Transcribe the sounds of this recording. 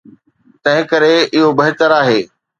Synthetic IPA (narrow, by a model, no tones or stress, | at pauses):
t̪ɐ̃ɦɪ̃kɐɾeɪɦobɐɦɪt̪əɾaːɦeː